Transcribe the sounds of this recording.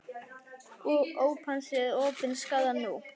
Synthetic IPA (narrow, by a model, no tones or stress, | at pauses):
oːwpʰansɛðɔːpɪnskawðanu